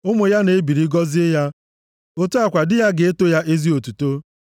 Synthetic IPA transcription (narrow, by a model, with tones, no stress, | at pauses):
ʊ˦mʊ˨ja˦ne˨˦bi˨ɾi˦ɡɔ˦zɪ˦ja˦ | o˦tu˦a˨kʷa˨dɪ˦ja˦ɡe˨e˦to˦ja˦ʔe˦zi˦o˨tu˨to˦